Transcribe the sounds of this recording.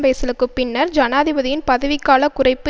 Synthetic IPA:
ʋɐɪsɪlɯkːɯpːɪnːɐɾd͡ʒɐnaːðɪbɐðɪjɪnpɐðɐʋɪkːaːlɐkːʊrɐɪpːɯ

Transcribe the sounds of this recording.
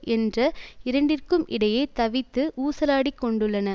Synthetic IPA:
ʔɛndrɐɪɾɐɳɖɪrkɯmʔɪɽɐjeːt̪ɐʋɪt̪ːɯʔuːsɐlaːɽikːɔɳɖɯɭːɐnɐ

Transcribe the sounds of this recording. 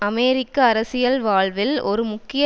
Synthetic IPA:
ɐmeːɾɪkːɐːɾɐsɪjɐlʋaːɭʋɪlɔɾɯmʊkːɪj

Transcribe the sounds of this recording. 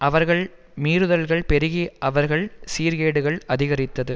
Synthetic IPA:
ʔɐʋɐɾɣɐɭ | miːɾɯðɐlɣɐɭpɛɾɪɣiʔɐʋɐɾɣɐɭsiːɾɣeːɽɯɣɐɭɐðɪɣɐɾɪt̪ːɐðɯ

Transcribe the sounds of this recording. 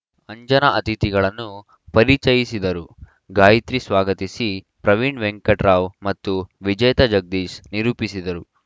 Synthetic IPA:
ɐɲd͡ʒɐnɐʔɐt̪it̪iɡɐɭɐnːu | pɐɾit͡ʃɐjisid̪ɐɾu | ɡaːjit̪ɾisʋaːɡɐt̪isi | pɾɐʋiɳɖʋeŋkɐʈɾaːʋmɐt̪ːuʋid͡ʒɐjt̪ɐd͡ʒɐɡ̚d̪iːsniɾuːpisid̪ɐɾu

